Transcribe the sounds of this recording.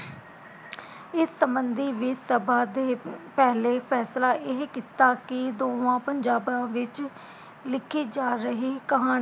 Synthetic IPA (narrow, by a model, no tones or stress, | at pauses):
ɪsːəmbənd̪ʱiːʋɪsəbaːd̪eːpɛːleːpʰɛːslaːʔɪɦkɪt̪aːkɪd̪oːʋãːpəɲd͡ʒaːbãːʋɪt͡ʃ | lɪkʰiːd͡ʒaːɾəɦiːkəɦaːɽ̃